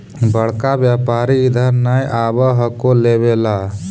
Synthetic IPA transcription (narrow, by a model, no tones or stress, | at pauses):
bəɽ̤kabjapaːɾiːd̪ʱəɾnajʔaːbəɦəkolebela